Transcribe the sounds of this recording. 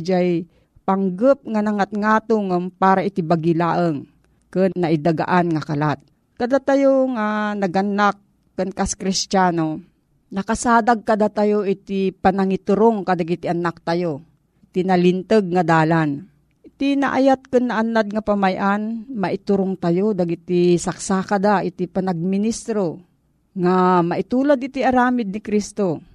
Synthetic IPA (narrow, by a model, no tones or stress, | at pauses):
d͡ʒaj | paŋɡəp̚ŋanɐŋat̪̚ŋaːt̪oŋapaːɾaʔɪt̪ibaɡɪlaːʔəŋ | kɨnːɐʔɪd̪aɡa̰ʔanŋakalat̪̚ | kɐd̪at̪ajoŋanɐɡɐnːak̚ː | ɨnkaskɾɪst͡ʃaːno | nɐkasaːd̪aɡ̚kad̪at̪ajoʔɪt̪ipanaŋɪt̪ʊɾoŋkad̪aɡɪt̪ɪʔanak̚t̪ajo | ɪt̪inɐlɪnt̪əɡ̚ŋɐd̪aːlan | ʔɪt̪inɐ̰ʔa̰jat̪̚kɨnːɐʔanːad̪̚ŋɐpamajʔanmɐʔɪt̪ʊɾoŋt̪ajod̪aɡɪt̪isaksakɐd̪aʔɪt̪ipɐnaɡ̚mɪnist̪ɾo | ŋamɐʔɪt̪uːlad̪̚ɪt̪iɐɾaːmɪd̪̚nɪkɾist̪o